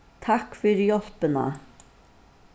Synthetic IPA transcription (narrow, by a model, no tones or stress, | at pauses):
t̪ʰɑkfʏɾjɔlpənə̰